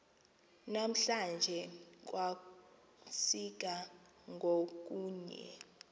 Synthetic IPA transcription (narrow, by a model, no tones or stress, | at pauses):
nam̩ɬand͡ʒʱɛk̬ʼwa | sik̬a | ŋʱok̬uːɲɛ̰